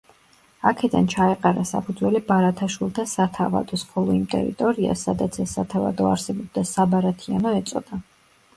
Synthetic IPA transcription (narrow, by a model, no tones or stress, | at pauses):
akʰɛd̪a̰nt͡ʃʰaɛqʼaɾasa̰pʰud̪zwɛlibaɾat̪ʰaʃwilˠt̪ʰasat̪ʰava̰d̪ɔsχʰɔlˠɔimt̪ʼɛ̰ɾḭt̪ʼɔɾia̰sad̪at̪sʰɛsːat̪ʰava̰d̪ɔa̰ɾsɛbɔb̚d̪asabaɾat̪ʰianɔɛt̪sʼɔ̰d̪a